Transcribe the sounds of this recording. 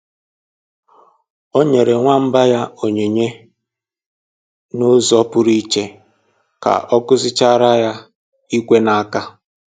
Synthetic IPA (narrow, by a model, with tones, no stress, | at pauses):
o˦ɲe˨ɾe˨ŋʷa˦m̩˦ba˦ja˦o˨ɲe˨ɲe˦ | nʊ˦zɔ˦pʊ˦ɾi˦t͡ʃe˦ | ka̰˨ʔɔ˦kʊ˦zɪ˦t͡ʃa˦ɾa˦ja˦ | i˦kʷe˦na˨˦ka˦